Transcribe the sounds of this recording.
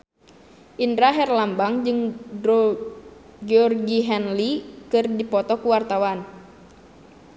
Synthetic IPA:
ʔindɾaɦɛrlambaŋd͡ʒɨŋdɾɔ | ɡɛɔrɡiɦɛnlikɨrdipɔt̪ɔkuwart̪awan

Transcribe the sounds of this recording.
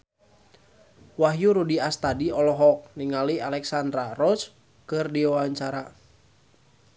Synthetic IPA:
waɦjuɾudiast̪adiɔlɔɦɔk̚niŋalialɛksand̪ɾarɔs | kɨrdiwawaɲt͡ʃaɾa

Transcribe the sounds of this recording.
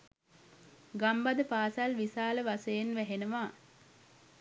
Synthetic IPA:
ɡambad̪əpaːsalʋisaːləʋasejenʋæɦenəʋaː

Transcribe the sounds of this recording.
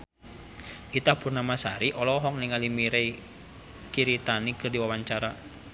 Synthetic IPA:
ʔit̪ahpurnamasaɾiʔɔlɔɦɔŋniŋalimiɾei | kiɾit̪anikɨrdiwawaɲt͡ʃaɾa

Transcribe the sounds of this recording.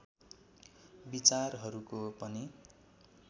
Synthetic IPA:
bit͡sarɦʌɾukopʌni

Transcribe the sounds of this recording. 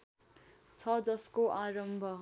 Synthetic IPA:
t͡sʰʌd͡zʌskoʔaɾʌmbʱʌ

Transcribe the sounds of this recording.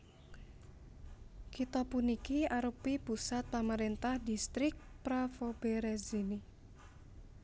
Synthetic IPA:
kit̪ɔpunikiaɾupipusat̪̚pamaɾint̪ahdist̪ɾɪk̚pɾafobeɾezini

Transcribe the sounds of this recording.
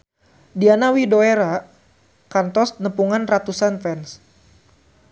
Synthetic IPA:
dianawidoeɾa | kant̪ɔsnəpuŋanrat̪usanfɛns

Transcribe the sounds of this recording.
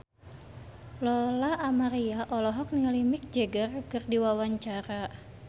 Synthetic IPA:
lɔlaʔːmaɾiaʔɔlɔɦɔk̚niŋalimik̚d͡ʒɛɡərkɨrdiwawaɲt͡ʃaɾa

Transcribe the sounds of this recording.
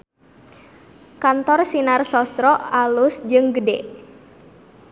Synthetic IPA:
kant̪ɔrsinarsɔst̪ɾɔalʊsd͡ʒɨŋɡəde

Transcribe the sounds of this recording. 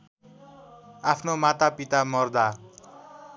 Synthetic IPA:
apʰnomat̪apit̪amʌrd̪a

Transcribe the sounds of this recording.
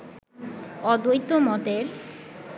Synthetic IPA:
ɔd̪ojt̪ːomɔt̪eɾ

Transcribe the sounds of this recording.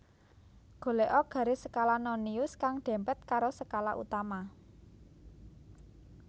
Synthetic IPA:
ɡ̥o̤leʔɔɡ̥ä̤ɾesəkalanɔniʊskaŋɖ̪̥ɛ̤mpɛt̪̚kaɾosəkala̰ʔṵt̪ama

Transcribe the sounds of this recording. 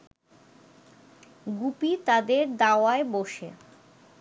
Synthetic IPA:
ɡupit̪ad̪eɾd̪aoaeboʃe

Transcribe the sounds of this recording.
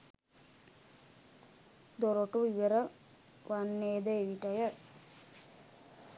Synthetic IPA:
d̪oɾoʈuiʋeɾə | ʋanːeːd̪əeʋiʈəjə

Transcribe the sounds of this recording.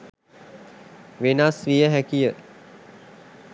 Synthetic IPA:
ʋenaːsʋijəɦækijə

